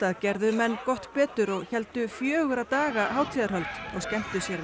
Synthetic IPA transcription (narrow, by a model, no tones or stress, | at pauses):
t̪aðcɛɾðʏmɛnːkɔht̪pɛːt̪ʏɾɔɣçɛl̪t̪ʏfjœːɣʏɾat̪aːɣaɦaːwt̪ʰiːðaɾ̥ɦœlt̪ɔɣscɛm̥t̪ʏsjɛɾ